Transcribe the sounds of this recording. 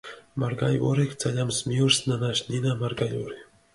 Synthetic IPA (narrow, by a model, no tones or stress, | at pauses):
maɾɡajo̰ɾekt͡sʰajamsmiuɾsnanaʃninamaɾɡajoɾi